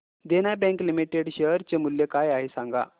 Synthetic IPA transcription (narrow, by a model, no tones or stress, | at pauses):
d̪enabɛ̃ŋklimiʈeɽɕəɾt͡ɕemuljekajaɦesãŋɡa̰